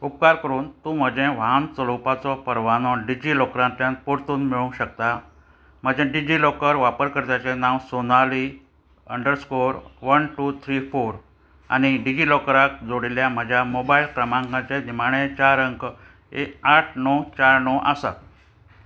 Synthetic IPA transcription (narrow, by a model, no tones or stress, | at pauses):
up̚kaɾkəɾuːnt̪ũːm̤əd͡ʑẽʋaant͡səlopat͡sɔpəɾʋanɔɖid͡ʑilɔkɾãnt̪jãnpoɾt̪uːnmiɭũɕək̚t̪a | m̤əd͡ʑẽɖid͡ʑilɔkəɾʋapəɾkəɾt̪jat͡ɕɛnãwsonali | əɳɖəɾskoɾʋənʈuːt̪ʰɾifoɾ | a̰ñiɖid͡ʑilɔkɾak̚d͡zoɽiljam̤əd͡ʑʱjamobailkɾəmãŋɡãt͡ɕenimaɽ̃ẽt͡ɕaɾəŋk | eaʈʰnɔt͡ɕaɾnɔʔasa